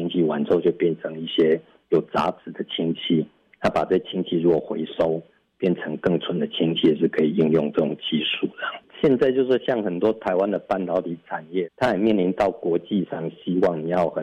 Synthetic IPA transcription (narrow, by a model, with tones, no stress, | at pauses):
i˥ŋt͡ɕʰi˥˩wa˨˩nt͡so˥˧t͡ɕjo˥˧ʊpjɛ˥˩nʈ͡ʂʰə˧˥ŋi˥˩ɕjɛ˥ | jo˨˩ʊt͡sa̰˧˥t͡sɹ̩˨˩d̪ə˦t͡ɕʰi˥ŋt͡ɕʰi˥˩ | na˥˧˩pa˨˩t͡sɤ˥˩ɕt͡ɕʰi˥ŋt͡ɕʰi˥˩ɻu˧˥kwɔ˨˩xwe˧˥ɪʂo˥ʊ | pjɛ˥˩nt͡sʰɤ˧˦˥ŋkɤ˥˩ŋt͡sʰwə˧˥nd̪ə˨t͡ɕʰi˥ŋt͡ɕʰi˥˩˨ʂɻ̩˥˩kʰə˧˥i˨˩i˥˧ŋjʊ˥˧ŋt͡sɤ˥˩ʈ͡ʂʊ˨˩ŋt͡ɕi˥˧ʂu˥˩ə˧˨ŋɕjɛ˥˧nt͡sa˥˧ɪt͡ɕjʊʂɻ̩˥˧ɕjɑ˥˩ŋxə˨˩nt̪wɔ˥t̪ʰa˧˥ɪwa˦nd̪ə˨pa˥˩nt̪ɑ˨˧˥ʊt̪i˧˥ʈ͡ʂʰa˨˩njɛ˥˩t̪ʰa˥a˨˩ɪmjɛ˥˩nli˧˥nt̪ɑ˥˩ʊkwɔ˧˥t͡ɕi˥˧ʂɑ˥˩ŋɕi˥wɑ˥˩ŋni˨˩jɑ˥˩ʊxə˨˩